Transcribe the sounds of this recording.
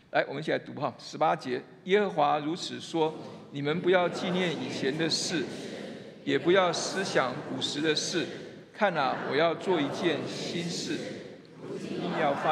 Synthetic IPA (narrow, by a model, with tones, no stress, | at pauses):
la˧˥ɪwɔ˨˩m̩˦˥t͡ɕʰi˨˩a˧˥ɪt̪u˧˥xɑ˥˩ʂɻ̩˧˥pa˥t͡ɕjɛ˧˥ | jɛ˥xɤ˧˥xwa˧˥ɻu˧˥t͡sʰɹ̩˨˩ʂwɔ˥ni˨˩mə˦npu˧˥jɑ˥˧ʊt͡ɕi˥˧njɛ˥˩ni˨˩t͡ɕʰjɛ˧˦nd̪ə˨ʂɻ̩˥˩ | jɛ˨˩pu˧˥jɑ˥˩ʊsɹ̩˥ɕjɑ˨˩ŋu˨˩ʂɻ̩˧˥d̪ə˧ʂɻ̩˥˩ | kʰa˥˩nə˨˩wɔ˨˩jɑ˥˧ʊt͡swɔ˥˩i˧˥t͡ɕjɛ˥˩nɕi˥nʂɻ̩˥˩ | i˥˧ɑ˥˧fa˦